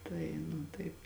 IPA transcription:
ˈtɐɪ nʊ ˈtɐɪp

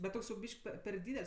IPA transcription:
bʲɛt ˈtoːks jɛʊ ˈbʲiːʃk pʲɛ pʲɛr ˈdʲiːdʲɛlʲsʲ

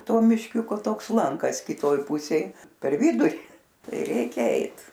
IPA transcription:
ˈtoː mʲɪʃʲˈkʲʊkoː ˈtoːks ˈlˠɐŋkɐs kʲɪˈtoːj ˈpʊsʲeːj pʲɛr ˈʋʲɪdʊrʲɪ ˈtɐɪ ˈrʲɛɪkʲɛ ˈɛɪt

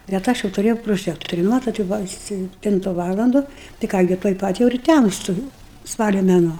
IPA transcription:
bʲɛt ˈɐʃ jɛʊ tʊˈrʲeːjɛʊ proːˈʒʲæːktoːrʲʊ ˈmɑːtoːt jɛʊ ˈbʊʋɐ ɐ sʲɛpʲˈtʲɪntʊ ˈʋɑːlˠɐndʊ tɐɪ ˈkɑː ɡʲɪ tuɔj ˈpɐt jɛʊ ɪr ˈtʲæmstʊ juːʊ ˈspɑːlʲoː mʲɛˈnuɔ

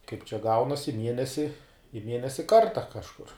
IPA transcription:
kɐɪp t͡ʃʲɛ ˈɡɐʊnɐsʲ ɪ ˈmʲiɛnʲɛsʲɪ ɪ ˈmʲiɛnʲɛsʲɪ ˈkɐrtɐ kɐʃˈkʊr

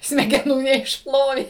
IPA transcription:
sʲmʲɛɡʲɛˈnuː nʲɛɪʃˈplˠoːʋʲeː

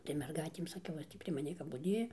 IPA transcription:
tɐɪ mʲɛrˈɡɐɪtʲeːm sɐˈkʲɛʊ ˈjoːs tʲiː pʲrʲiɛ mɐˈnʲiː kɐp bʊˈdʲeːjɛ

